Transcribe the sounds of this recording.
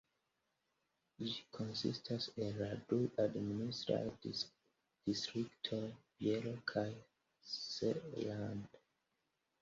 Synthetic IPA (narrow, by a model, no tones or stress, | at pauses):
itkʰõnsḭstʰasinɹaduadministɹa̰lti | d̥istɹiktʰobjelokʰaj | sḛlãnd